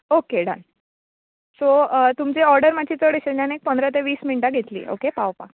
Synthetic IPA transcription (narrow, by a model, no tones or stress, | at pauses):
okeɽa̰n | sot̪umt͡ɕeɔɾɖəɾmat͡ɕiːt͡səɽiɕed͡ʑanek̚pənd̪ʱɾat̪̬eʋiːsmiɳʈaɡʱet̪lḭʔo̰kepawpa